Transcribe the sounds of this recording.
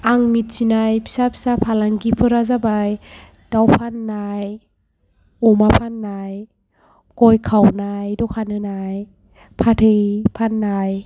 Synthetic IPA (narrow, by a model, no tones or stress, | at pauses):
aŋmit̚sinajpʰi̥sapʰi̥sapʰalaŋɡipʰɯɾazabaj | d̥awpʰanːaj | ɔmapʰanːaj | kɔjkʰawnajdɔkʰanɯnaj | pʰatʰɯjpʰanːaj